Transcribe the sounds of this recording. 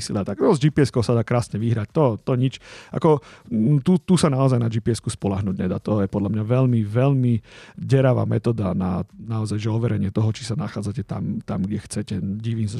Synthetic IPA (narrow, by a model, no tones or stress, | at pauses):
siliat̪aɡɾɔzd͡ʒipiɛskɔʊsad̪aːkɾaːsɲɛʋiɦɾac̚t̪ɔt̪ɔɲit͡ʃʔa̰kɔt̪ut̪usanaɔzajnad͡ʒipiɛskuspɔlaɦnuːɟɲɛd̪aːt̪ɔjɛpɔd̪lamɲaʋɛʎmiʋɛʎmiɟɛɾaʋa̰ːmɛt̪ɔːd̪ananaɔzajʒɛɔʋɛɾɛɲɪɛt̪ɔɦɔt͡ʃisanaxaːd͡zacɛt̪a̰mt̪amɡɟɛxt͡sɛcɛɟiʋiːmsa